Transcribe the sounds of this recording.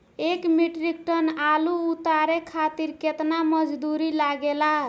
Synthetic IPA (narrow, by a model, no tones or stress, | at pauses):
ekmiʈɾik̚ʈənaluut̪aɾekʰat̪iɾket̪naməd͡ʒd̪uɾilaɡela